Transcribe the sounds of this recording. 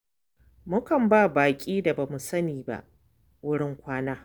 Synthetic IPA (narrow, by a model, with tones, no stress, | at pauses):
mʊ˦kɐ˨mbaː˦˨baː˨kʲʼiː˦da˨baː˨mu˨sɐ˦niː˨ba̰˦ʔ | wʊ˦ɽɪ˦ŋkʷaː˦naː˦